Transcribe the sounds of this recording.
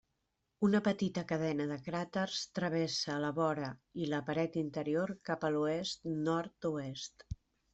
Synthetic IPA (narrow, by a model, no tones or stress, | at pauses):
unəpət̪it̪əkəðɛnəðəkɾat̪ərst̪ɾəβesəːləβɔɾəiləpəɾɛt̪int̪əɾioɾkapəluest̪nɔɾt̪uest̪